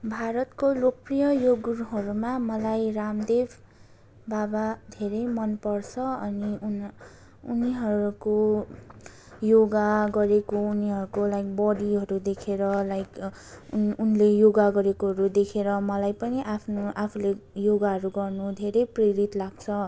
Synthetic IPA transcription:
bʱaɾʌt̪kolok̚prijʌjoɡuɾɦʌɾumamʌlajramd̪ebʰʱ | babad̪ʱeɾejmʌnpʌrt͡sʰʌʌniun | uniɦʌɾuko | joɡaɡʌɾekouniɦʌɾukolajk̚bʌɽiɦʌɾud̪ekʰeɾʌlajk | unlejoɡaɡʌɾekoɦʌɾud̪ekʰeɾʌmʌlajpʌniʔapʰnoʔapʰulejoɡaɦʌɾuɡʌrnud̪ʱeɾʌjpreɾit̪laɡt͡sʰʌ

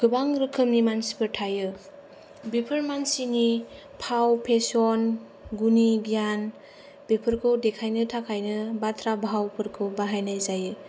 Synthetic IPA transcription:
ɡ̥ɯbaŋɾɯkʰɯmnimansi̥pʰɯɾtʰajɯ | bepʰɯɾmansini | pʰawpʰesɔn | ɡuniɡijan | b̥epʰɯɾkʰɯwdekʰajnɯtʰakʰajnɯbatʰɾabɦawpʰɯɾkʰɯwbaɦajnajzajɯ

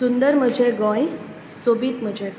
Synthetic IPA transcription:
und̪əɾməd͡ʑʱeɡɔ̃j | sobiːt̪m̤əd͡ʑʱe

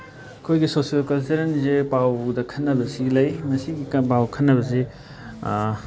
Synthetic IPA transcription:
ɐkʰojɡisosijɐlkɐlseɾnzepawdɐkʰɐnːɐbɐsilɐjmɐsiɡipawkʰɐnːɐβɐse

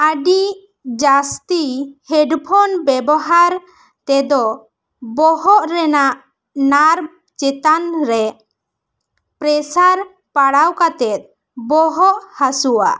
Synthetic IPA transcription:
aɖi | d͡ʒast̪ihɛɖpʰɔnbɛbɔɦaɾ | t̪ɛd̪ɔ | bɔɦɔʔɾɛnaʔ | naɾm | t͡ʃɛt̪anɾɛ | pɾɛsaɾ | paɽawkat̪ɛt̪̚ | bɔɦɔʔhasuwa̰

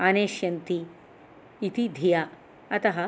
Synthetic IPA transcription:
ɐneːʃjɐnt̪iː | t̪id̪ʱija | ɐt̪ɐɦɐ

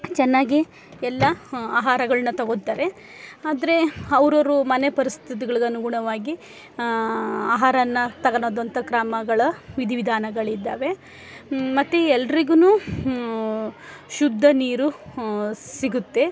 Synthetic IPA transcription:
t͡ʃɛnːaːɡi | ɛlːɐaːɦaːɾɐɡɐɭɐnːɐt̪ɐɡot̪ːaːɾe̞ | aːd̪ɐɾe̞ɐʋɾoɾumɐnepɐɾist̪ʰit̪̬iɡɐɭiɡeɐnuɡuɳɐʋaːɡi | aːɦaːɾɐnːɐt̪ɐɡɐnoːd̪ʋɐnt̪ɐkɾaːmɐɡɐɭɐʋid̪ʱiʋid̪ʱaːnɐɡɐɭid̪ːaːʋe̞ | mɐt̪ːeɛlːɐɾiɡunuː | ʃud̪ʱːɐniːɾu | siɡut̪ːe̞

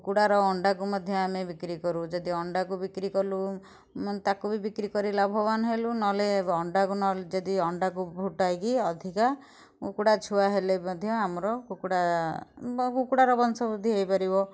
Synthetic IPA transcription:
ukuɽaɾɔːɳɖak̬umɔd̪ʱjɔamebikɾikɔɾud͡ʒɔd̪iɔɳɖakubikɾikɔlu | t̪akubʱibikɾikɔɾilabʱɔbanɔɦelunɔleɔɳɖakunɔd͡ʒɔd̪iɔɳɖakubʱuʈajkiɔd̪ʱika | kukuɽat͡ʃʰuaɦelemɔd̪ʱjɔamɔɾɔkukuɽa | kukuɽaɾɔbɔnsɔbud̪ʱiɦejpaɾibɔ

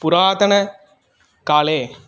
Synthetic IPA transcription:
pʊɾaːðɐnɐ | kaːleː

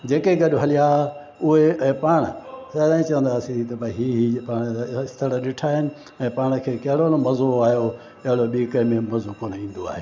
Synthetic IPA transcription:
d͡ʑeːkeɡɐɗʊɦɐlija | ʊɦeɛ̃ːpaːɽ̃əsɐd̪ãːĩt͡ɕɐʋə̃nd̪aːsĩt̪ɐbɦiːɦipaːɽ̃ɪst̪ʰəɽəɗɪʈʰaːɦɪnɪ̆ | ɛ̃ːpaːɽ̃ə̆kʰeːkɐɦɪɽonomɐzoaːɦjo | ɐɦɪɽoɗiːkəmẽmɐzokoːnĩːnd̪oa̰ːɦeː

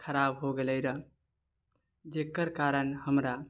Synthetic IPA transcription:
kʰəɾabɦoɡeləjɾə | d͡ʒekəɾkaɾənhəmɾa

